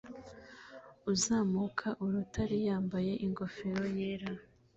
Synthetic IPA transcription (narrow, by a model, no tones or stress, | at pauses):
uzaːmukʰaʔuɾutʰaɾijaːmbaje̞ʔiŋɡo̞fe̞ɾo̞je̞ːɾa